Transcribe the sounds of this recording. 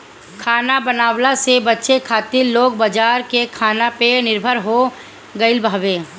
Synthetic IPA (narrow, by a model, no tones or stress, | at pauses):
kʰaːnabənaːwlasebɐtːʃekʰaːt̪ɪɾloːɡ̚bad͡ʒaːɾkekʰaːnapenɪɾbʱəɾɦo | ɡəɪlbʱaːʋeː